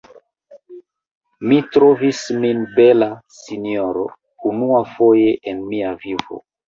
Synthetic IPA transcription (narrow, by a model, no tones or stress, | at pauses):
mitɾovisminbelasinioɾo | unuafojeʔenmiavivo̰